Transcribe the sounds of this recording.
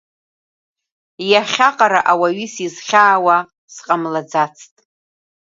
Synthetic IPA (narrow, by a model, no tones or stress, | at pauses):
jaχʲaqʼaɾaʔawaɥisizχʲaːwa | sqʼamlad͡zat͡sʰtʼ